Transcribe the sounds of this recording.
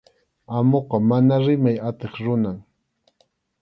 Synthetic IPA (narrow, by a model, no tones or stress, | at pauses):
amoqɑmanaɾɪmajat̪eχɾʊnaŋ